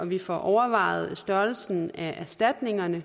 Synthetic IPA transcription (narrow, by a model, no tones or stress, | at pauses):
ɒ̽ʋifɒʔɒʊɐʋɑ̰̈ɪð̩ˠsd̥ɶɐl̩sn̩æʔæɐsd̥æd̥ne̝ŋɐnə